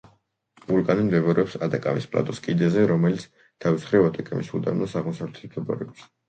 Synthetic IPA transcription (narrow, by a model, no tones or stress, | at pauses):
vulˠkʼanimd̪ɛbaɾɛɔpsad̪akʼa̰mispʼlˠa̰t̪ʼɔskʼid̪ɛzɛɾɔmɛlit̪sʰ | t̪ʰavisχɾɛvat̪ʼɛkʼɛmḭsud̪a̰mnɔsaʁmɔsavlɛt̪ʰsmd̪ʰɛbɔ̰ɾɛɔbs